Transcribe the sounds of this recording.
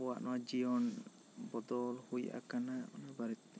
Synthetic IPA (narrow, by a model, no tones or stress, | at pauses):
ɔwaʔnɔwad͡ʒijɔn | bɔd̪ɔlhujʔa̰kanaɔnabaɾit̪̚